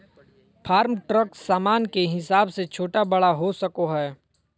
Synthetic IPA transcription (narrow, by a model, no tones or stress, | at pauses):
pʰaːɾmʈɾəksaːmaːnkeɦɪsaːbset͡ʃʰoːʈabɐɽaɦosɐkoɦɛː